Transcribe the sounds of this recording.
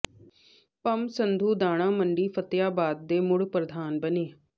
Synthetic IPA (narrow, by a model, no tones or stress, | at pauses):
pəmsənd̪ʱuːd̪aːɽ̃ãːməɳɖiːpʰət̪jaːbaːd̪̚ːeːmʊɽpɾəd̪ʱaːnbəneː